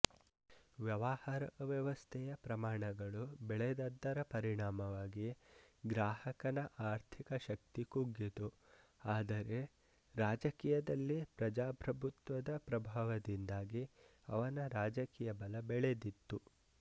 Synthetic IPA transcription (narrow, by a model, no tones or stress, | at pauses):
ʋjɐʋahaːɾɐʋjɐʋɐst̪ʰɛjɐpɾɐmaːɳɐɡɐɭubɛɭed̪ɐd̪ːɐɾɐpɐɾiɳaːmɐʋaːɡiɡɾaːhɐkɐnɐʔaːɾt̪ʰikɐʃɐk̚t̪ikuɡit̪u | aːd̪ɐɾe̞ | ɾaːd͡ʒɐkiːjɐd̪ɐlːipɾɐd͡ʒaːpɾɐbʱut̪ʋɐd̪ɐpɾɐbʱaːʋɐd̪ind̪aːɡi | ɐʋɐnɐɾaːd͡ʒɐkiːjɐbɐlɐbɛɭed̪it̪ːu